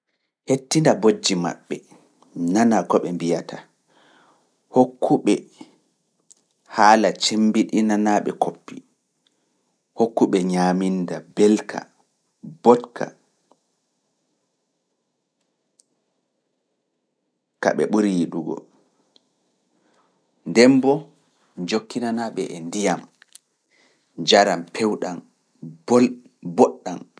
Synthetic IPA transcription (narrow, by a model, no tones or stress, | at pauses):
hetːindabod͡ʒːima̰ɓːɛ | nanakɔɓɛmbijatʰa | hokʰːuɓɛ | haːlat͡ʃembiɗinanaɓɛ̰kʰopːi | hokːuɓɛɲaːmindabɛlkʰa̰ | bɔtkʰa̰ | ka̰ɓɛ̰ɓuɾiɗuɡɔ̰ | ndɛmbɔ | d͡ʒokːinanaɓɛʔɛndijam | d͡ʒaɾampʰɛwɗan | bɔɗːan